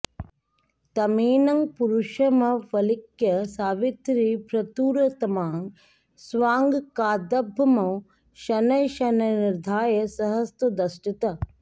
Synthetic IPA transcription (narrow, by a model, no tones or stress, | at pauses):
t̪ɐmiːnɐŋpuɾuʃɐmɐʋɐlikjɐsaːʋit̪ɾipɾɐt̪uːɾɐt̪ɐmaːŋ | sʋaːŋɡkaːd̪ɐbʱɐmɐw | ʃɐnɐjʃɐnɐniɾd̪ʱaːjɐsɐɦɐst̪ɐd̪ɐsʈit̪ɐ